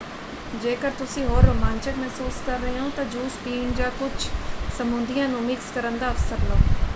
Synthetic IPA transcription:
d͡ʒeːkəɾt̪ʊsĩːɦoːɾːoːmãːnt͡ʃəkmɛɦsuːskəɾːəɦeõːt̪ãːd͡ʒuːspiːnd͡ʒãːkʊt͡ʃʰsəmʊ̃nd̪ijãːnũːmɪkskəɾənd̪aːəfsəɾloː

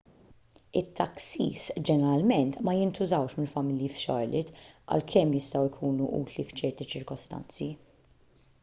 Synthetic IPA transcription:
ɪt̪ʰːɐksḭːsd͡ʒɛnɛɾɐlmɛnt̪mɐjɪnt̪ʊzɐwʃmɪlfɐmɪljifʃɔ̰ɾlɪt̪ʔɐ̰lkʰɛmjɪst̪ɐwɪkʰuːnuʔṵːt̪lift͡ʃɛɾt̪it͡ʃɪɾkɔst̪ɐ̰nt͡si

